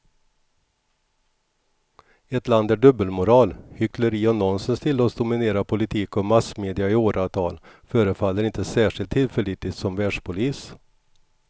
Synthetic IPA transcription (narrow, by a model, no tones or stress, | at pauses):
ɛt̪land̪æɖɵbːəlmʊɾɑːlhʏkʰləɾiːɔnɔnsənst̪ʰɪlːɔːsd̪ʊmɪneːɾapʰʊlɪt̪ʰiːkɔmasmeːd̪ɪaɪoːɾavt̪ʰɑ̰ːlfœːɾəfalːəɾɪnt̪əsæːʂɪlt̪ʰːɪlfɛlɪt̪lɪt̪sɔmvæːɖʂpʰʊliːs